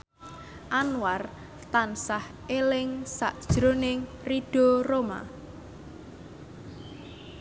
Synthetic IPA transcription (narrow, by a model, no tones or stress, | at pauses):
ʔanwar | t̪ansah | elɪŋsaʔd̥ʒ̥ɾonɪŋ | riɖ̥oroma̰